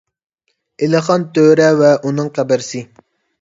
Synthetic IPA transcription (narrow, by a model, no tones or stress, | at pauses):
ɪlɨχɑnt̪øɾɛvɛʔunɨŋqæbɪɾsɪ